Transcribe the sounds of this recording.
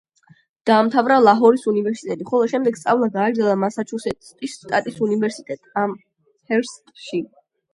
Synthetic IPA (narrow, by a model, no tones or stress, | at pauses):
d̪̥aːmt̪ʰavɾalˠaɦɔɾisunivɛɾsit̪ʼɛt̪ʼiχɔlˠɔʃɛmd̪ɛɡ̥st̪sʼavlˠaɡaːɡɾd̪zɛlˠamasat͡ʃʰusɛt̪ʼt̪ʼisːt̪ʼat̪ʼisunivɛɾsit̪ʼɛt̪ʼam | hʰɛɾs | ʃi